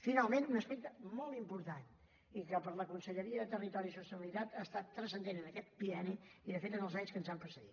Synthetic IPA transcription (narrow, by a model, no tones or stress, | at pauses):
finalˠmẽnunəspɛk̚t̪əmɔlˠt̪impuɾt̪an | ikəpəɾləkunsəʎəɾiəðət̪ərit̪ɔɾisust̪əβilˠit̪at̪ast̪at̪ːɾəsənd̪enənəkɛt̪̚piɛniiðəfet̪ənəlˠzaɲskənzampɾəsəɣit̪